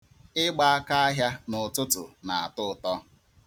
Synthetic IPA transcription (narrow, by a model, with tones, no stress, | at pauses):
ɪ˦ɡ͡ba˦a˦ka˦a˦ɦja˦nʊ˨tʊ˦tʊ̰˨na˨a̰˨tʊ˦˨tɔ˦